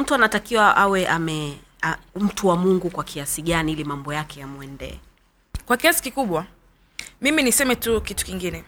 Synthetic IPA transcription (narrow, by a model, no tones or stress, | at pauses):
m̩tuanatakiwaʔawɛʔamɛ | am̩tuwamuŋɡukwakʰiasiɠaniilimambɔjakɛjamuɛndɛ̰ɛ | kwakiasi̥kikuɓwa | miminisɛmɛtukitu̥kiŋɡinɛ